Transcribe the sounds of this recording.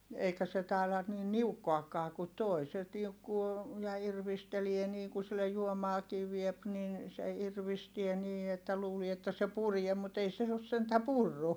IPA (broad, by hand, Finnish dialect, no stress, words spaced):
eikæ se tɑˑi̯lɑ niːn niukːoɑkːɑː ku toi se niukːuː jɑ irʋistelie niːŋ ku silːej juomɑːkiː ʋiep nin se irʋistie niː etːæ luːlie etːæ se purie mut ei os sentæ purːu